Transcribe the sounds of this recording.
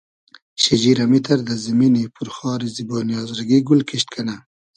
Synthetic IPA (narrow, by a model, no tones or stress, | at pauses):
ɕid͡ʒiɾamit̪ʰɐɾd̪əziminipʰuɾxɑːɾiziboːnjɑːzɾaɡiɡulkiʃt̪̚kʰana